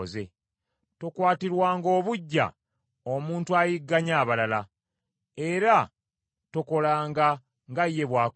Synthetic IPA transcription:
ze̞ | to̞kwaːtiɾwaːŋɡo̞ːβuɟːa̰ | o̞muːntuajiɡːaɲaːβalala | e̞ɾa | to̞ko̞laːŋɡa | ŋɡajːe̞βwaːk

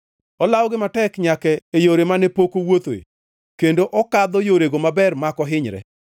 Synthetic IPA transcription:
ɔlawɔɡɪmatɛkɲakɛejoɾemanɛpokowot̪oḛ | kendoʔɔkad̪ɔjoɾeɡomabɛrmakɔɦɪɲɾɛ̰

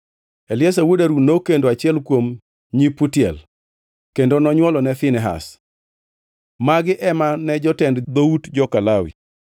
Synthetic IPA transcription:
ɛlɪɛsawodaɾunokendoat͡ʃɪɛlkwom | ɲipːutjɛl | kendonɔɲwɔlɔnɛθɪnɛɦa̰s | maɡɪʔɛmanɛd͡ʒɔtɛndd̪outd͡ʒɔkalawḭ

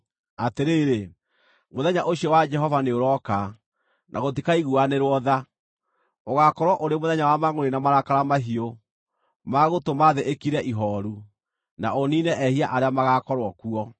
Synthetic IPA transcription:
ateɾeːɾe | moðɛɲaʔoɕiɔwad͡ʒɛɦɔvaneoɾɔka | nʔa̰ɣot̬ikaiɣuaneɾwɔða | oɣakɔɾwɔʔoɾemoðɛɲawamaŋoɾenamaɾakaɾamaɦio | maɣotomaðeʔekiɾɛʔiɦɔɾu | naoninɛʔɛhiaʔaɾeamaɣakɔɾwɔkuɔ

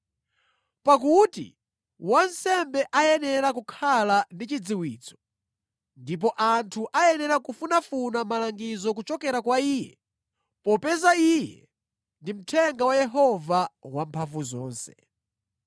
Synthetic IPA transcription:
pakutḭ | wansɛmbɛʔajɛnɛɾakukʰalandit͡ʃid͡ziwiːt͡sʰɔ̥ | ndip̬ɔʔantʰuʔajɛnɛɾakufunafunamalaŋɡizɔk̬ut͡ʃɔkɛɾakwaiːjɛ | pɔpɛzaijɛ̰ | ndim̩tʰɛŋɡawajɛɦɔvawampʰavuzɔ̰ːnsɛ̥

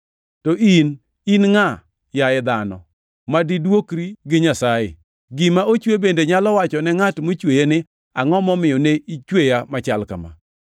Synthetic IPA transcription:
tɔʔin | inŋa | jajɛd̪anɔ̰ | madidwokɾiɡɪɲasajɪ̰ | ɡɪmaot͡ʃwebendeɲalɔwat͡ʃɔnɛŋatmot͡ʃwejenɪ | aŋɔmɔmɪjɔneit͡ʃwejamat͡ʃalka̰ma̰

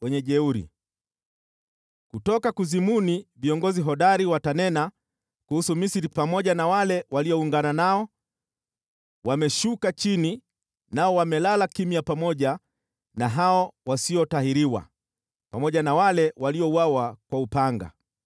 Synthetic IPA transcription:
wɛɲɛʄɛuɾḭ | kutɔkakuzimuniviɔŋɡɔziɦɔɗaɾiwatanɛna | kuhusumisiɾipamɔʄanawalɛwaliɔuŋɡananaɔ | wamɛʃukat͡ʃini | naɔwamɛlalakimijapamɔʄa | naɦaɔwasiɔtahiɾiwa̰ | pamɔʄanawalɛwaliɔuwawakwaupaŋɡa̰

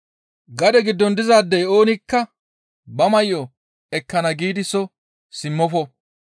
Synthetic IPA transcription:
ɡɐd̪ɛɡɪd̪ːɔnd̪ɪzaːd̪ːɛjo̞ːnɪkːɐ | bɐmɐjːɔ | ɛkːɐnɐɡiːd̪ɪsɔ | sɪmːɔfɔ

